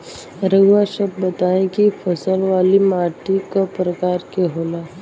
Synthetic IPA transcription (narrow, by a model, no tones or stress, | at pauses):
ɾəɡwaʃəb̚bət̪aẽkifʰəsəlʋaːlimaːʈikapɾəkaːɾkeɦoːlaː